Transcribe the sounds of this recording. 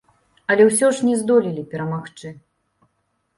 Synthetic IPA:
ɐlʲɛwsʲɔʐnʲɛzd̪ɔlʲilʲipʲɛɾɐmaxt͡ʂɨ

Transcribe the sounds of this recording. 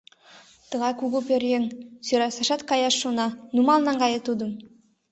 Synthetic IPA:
t̪ɤ̆ʁɑjkuɡupʲerʲjensøɾɑsɑʃɑt̪kɑjɑʃːonɑnumɑlˠnɑŋɡɑjɤ̆t̪ud̪ɤ̆m

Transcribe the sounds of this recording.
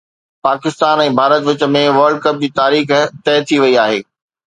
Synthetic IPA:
paːkɪst̪aːnɛ̃ːbʱaːɾət̪ʋɪt͡ɕə̆mẽʋɐɾɖ̚kɐp̚d͡ʑiːt̪aːɾiːxt̪ɛːt̪ʰiʋɐiaːɦeː

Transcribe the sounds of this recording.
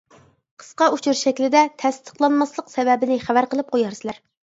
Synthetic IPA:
qʰə̥sqɑut͡ʃʰuɾʃɛkʲlɪd̪ɛt̪ʰɛst̪ʰə̥χlˠɑnmɑslˠəqsɛvɛbɪnɪχævæɾqəlˠɨp̚qʰojɑɾsɨlæɾ

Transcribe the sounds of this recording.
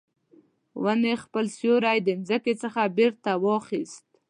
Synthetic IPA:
wənexpəlsjoɾajd̪ənzəket͡səxabeɾt̪awɑxist̪̚

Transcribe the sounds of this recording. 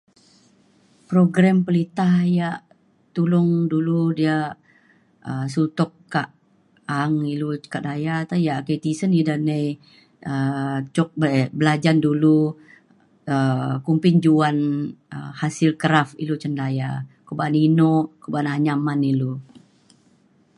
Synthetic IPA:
pɾoɡɾampəlit̪ahjaʔ | t̪ulʊŋduludia | əs̬ut̪ɔkːaʔ | aŋilukaʔdajat̪ajaʔkəjt̪isənidanəj | ət͡ʃɔk̚bəɛbəlad͡ʒandulu | əkumpɪnd͡ʒuanə̰hasɪlkəɾafḭlut͡ʃəndajakobaninɔʔkobanaɲamanilu

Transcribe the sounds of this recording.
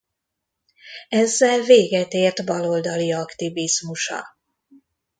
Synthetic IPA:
ɛzːɛlveːɡɛt̪eːrt̪bɒlo̞ld̪ɒliɒkt̪ivizmuʃɒ̰

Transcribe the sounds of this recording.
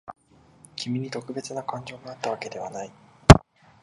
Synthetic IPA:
kʲimʲiɲ̟it̪o̞kɯ̟be̞t͡sɨnakãɲ̟d͡ʑo̞ːmaat̪ːaβake̞d̪e̞β̞anai

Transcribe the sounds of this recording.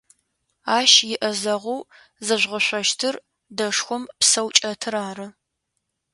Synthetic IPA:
aːʃjɪʔɐzɐʁʷuw | zɐʒʷʁɐɕʷɐʃtʰɨr | dɐʂxʷɔmpsɐwt͡ʃʼɐtʰɨɾaːrɨ

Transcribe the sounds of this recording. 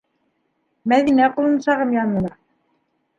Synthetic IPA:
mæðinæqulˠɤ̆nsɑʁɤmjɑnɤ̆nɑ

